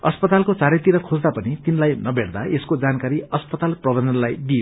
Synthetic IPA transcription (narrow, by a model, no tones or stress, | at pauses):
ʌspʌt̪alkot͡saɾet̪iɾʌkʰod͡zd̪apʌnit̪inlajnʌbʱeɽd̪aʔeskod͡zankaɾiʌspʌt̪alprʌbʌnd͡zʌnlajd̪ie